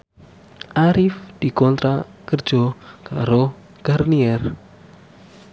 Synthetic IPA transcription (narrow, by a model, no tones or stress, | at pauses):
ʔaɾɪfd̪̥i̤kɔnt̪ɾakərd̥ʒ̥ɔkaɾo | ɡ̥arniɛr